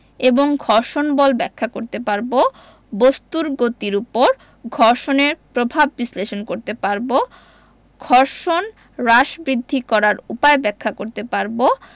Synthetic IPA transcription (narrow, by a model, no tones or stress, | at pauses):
eboŋɡʱɔɾʃonbɔlbɛkʰːakoɾt̪epaɾbo | bost̪uɾɡot̪iɾupoɾ | ɡʱɔɾʃoneɾpɾobʱabbisleʃonkoɾt̪epaɾbo | ɡʱɔɾʃon | ɾaʃbɾid̪ʱːikɔɾaɾupaebɛkʰːakoɾt̪epaɾbo